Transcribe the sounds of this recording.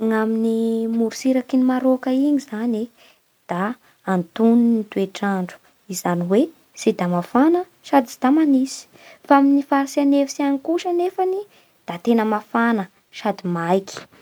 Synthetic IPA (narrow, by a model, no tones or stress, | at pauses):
ŋaminimuɾusiɾakinimaɾokəiŋizane | d̪̥aː | nt̪uninit̪ueʈ͡ʂaɳɖ͡ʐu̥ | izaniwe | sid̪amafanə | ʃad̪id̪̥amanisi̥ | faaminifaɾsianefi̥sianikuʃənefəni | d̪̥at̪enəmafanə | ʃad̪imajki̥